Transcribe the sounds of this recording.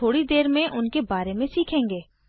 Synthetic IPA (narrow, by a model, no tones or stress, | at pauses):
oːɽid̪eːɾmẽʔʊnkebaːɾemẽsiːkʰẽːŋɡeː